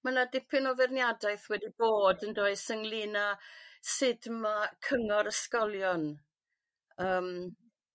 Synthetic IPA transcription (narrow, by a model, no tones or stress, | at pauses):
mənadɪpʰɪnɔvɛrnjadajθwɛdib̥oːdəndoːɨsəŋlˠiːnasɪdmakʰəŋɔɾəskɔlˠjɔn | əːm